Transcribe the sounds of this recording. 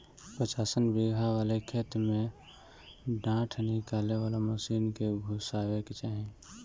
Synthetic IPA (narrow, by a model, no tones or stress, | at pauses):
pɾət͡ʃaːsənbeːɡʱaʋaːlekʰeːt̪mẽ | ɖãːʈʰnɪkaːleʋaːlaməsiːnkebʱusaːweket͡ʃaːɦĩ